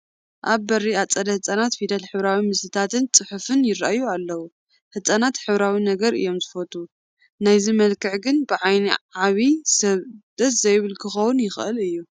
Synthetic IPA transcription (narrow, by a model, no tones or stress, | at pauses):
ʔaβːɐɾːiat͡sʼɐd̪ɐhɨt͡sʼanat̪fid̪ɐlħɨβɾawimɨsɨt̪ʰat̪ʰɨnt͡sʼɨħufɨnjɪɾa̰ʔjːualːɐwu | hɨt͡sʼanat̪ħɨβɾawinɐɡɐɾɨ̰jːo̞mzɨfɐt̪ʼu | najzimɐlkʰɨʕɡɨnbɨʕajniʕaβisɐβd̪̥ɐt̪zɐjβɨlkʰɨxɐwʊnjɪxɨ̰lɨjːu